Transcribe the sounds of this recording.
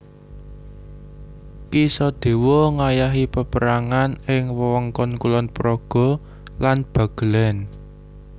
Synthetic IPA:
kisɔd̪̥e̤wɔŋajaɦipəpəɾaŋanɪŋwəwɔŋkɔnkulɔnpɾɔɡ̥ɔ̤ | lanb̥ä̤ɡ̥ə̤lɛn

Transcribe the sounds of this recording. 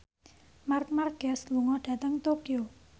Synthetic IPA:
mark̚marɡ̥ɛsluŋɔhd̥ä̤t̪əŋt̪okio

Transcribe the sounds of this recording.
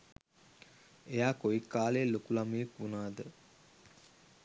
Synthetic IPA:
ejaːkoikːaːlejlokulamejekunaːd̪ə

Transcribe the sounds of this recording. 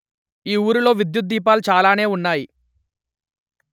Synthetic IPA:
iːuːɾulo̞ːʋid̪jut̪̚d̪iːpaːlut͡ʃaːlaːne̞ːunːaːji

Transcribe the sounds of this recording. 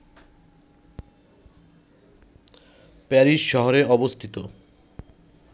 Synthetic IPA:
pɛɾiʃʃɔɦoɾeɔbost̪ʰit̪o

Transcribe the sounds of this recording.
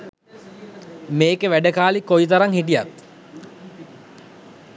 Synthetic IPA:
meːkəʋæɖəkaːlikːojt̪̬aɾaŋhiʈija̰t̪

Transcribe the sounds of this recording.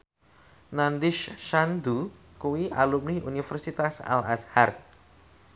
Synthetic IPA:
nand̪ɪʃʃand̪u | kuwiʔalumniunifɛrsit̪asa̰lashart̪̚

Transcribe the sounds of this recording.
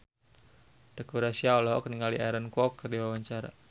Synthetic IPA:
d̪̥əkuɾasiaɔlɔɦɔ̰kəniŋɡaliʔaɾankɔkːərdiwawaɲt͡ʃaɾa̰

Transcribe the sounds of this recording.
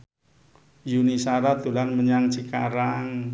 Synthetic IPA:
junisaɾat̪ulanməɲaŋt͡ʃikaɾaŋ

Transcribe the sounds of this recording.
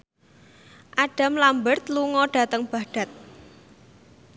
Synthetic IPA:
ʔaɖ̥a̤mlambərt̪luŋɔɖ̥ä̤t̪əŋb̥a̤ɖ̥ä̤t̪̚

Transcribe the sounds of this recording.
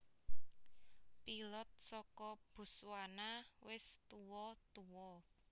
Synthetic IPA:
pilɔt̪̚sɔkɔb̥ṳswanawɪst̪uwɔt̪uwɔ

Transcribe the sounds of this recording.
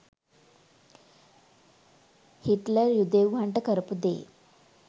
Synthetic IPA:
hiʈləɾjud̪eʋʋʱaɳʈəkəɾpud̪ḛ

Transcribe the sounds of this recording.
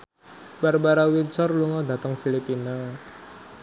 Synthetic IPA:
barbaɾawinsɔrluŋɔd̪a̤t̪əŋfilipina

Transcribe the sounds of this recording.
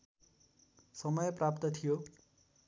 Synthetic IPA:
sʌmʌjprapt̪ʌt̪ʰijo

